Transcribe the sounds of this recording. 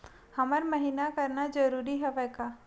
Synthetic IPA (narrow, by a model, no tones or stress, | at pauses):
həmaɾməɦinakəɾnad͡ʒəɾuɾiɦɛʋɛka